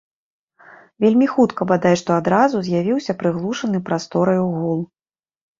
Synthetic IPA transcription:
vʲelʲmʲixut̪kɐbad̪ajʂt̪ɔad̪ɾazuzʲjavʲiwsʲɐpɾɨɣlˠuʂɐnɨpɾast̪ɔɾɐjuɣɔlˠ

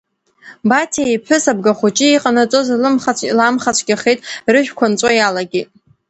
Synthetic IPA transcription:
batʰijpʰħʷᶣʊsab̚ɡaχʷut͡ʃʼiiqʼanat͡sʼozlɨmχalamχat͡ʃʷʰɡʲaχejtʼrɨʒᶣkʷʰant͡sʷʼajalaɡʲitʼ

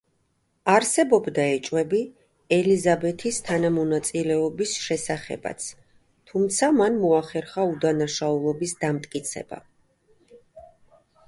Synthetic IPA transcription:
aɾsɛbɔbd̪aɛt͡ʃʼwɛbi | ɛlizabɛt̪ʰist̪ʰanamɔnat̪sʼilɛɔbisʃɛsaχɛ̰ba̰t̪sʰ | t̪ʰumt̪sʰamanmɔaχɛɾχaud̪anaʃaulˠɔbisd̪amt̪ʼkʼit̪sʰɛ̰b̥a̰

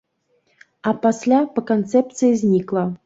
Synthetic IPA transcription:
apasʲlʲapəkont̪t͡s̪ɛp̚t̪t͡s̪ɨjizʲnʲiklˠa

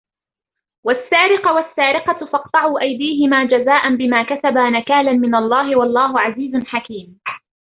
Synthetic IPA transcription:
wasːaːɾɪqʊwasːaːɾɪqɑfɑqt̪ˤɑʕuːʔajd̪iːɦɪmaːd͡ʒazaːʔanbɪmaːkat̪abanakaːlanmɪnalˤːɑːɦɪwɑlˤːɑːɦʊʕaziːzʊnħakiːm

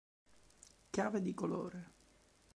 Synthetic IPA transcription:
kjaːved̪ikolo̰ːɾe

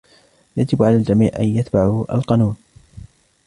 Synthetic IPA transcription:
jad͡ʒɪbʕalaːld͡ʒamiːʕʔa̰njat̪baʕuʔa̰lqɑnuːn

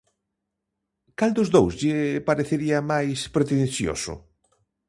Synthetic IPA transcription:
kald̪ʊzðowzʎɪpaɾeθeɾiamajspɾet̪enθjo̰sʊ̰

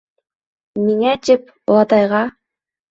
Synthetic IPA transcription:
miŋæt͡ʃɪp | olˠɑt̪ɑjʁɑ

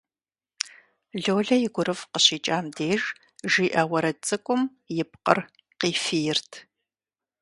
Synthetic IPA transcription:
ɮoːɮɐjɪɡʷʊɾɨfqəɕiːt͡ʃʼaːmdeːʒ | ʒiːʔɐwɐɾɐt͡sʼɨkʷʼʊm | jɪp̚qə̰r | qiːfijɪrtʰ

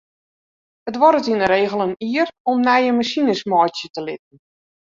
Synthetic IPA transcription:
ətʋɔɾətinəɾeːɣəlˠəniərɔmnɛjəmasinəsmɔjtjətəlɪt̚ən̩

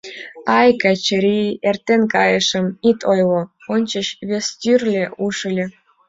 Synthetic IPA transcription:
ɑjkɑt͡ɕəɾʲiert̪ʲːenʲkɑjɤ̆ʃə̆mit̪ʰojlˠoonʲt͡ɕə̆ɕβʲest̪ʲyrʲlʲĕʔuʂə̆lʲĕ

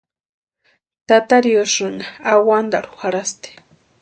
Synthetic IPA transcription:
t̪at̪aɾiosʊnaawand̪aɾʊ̥xaɾast̪e̥

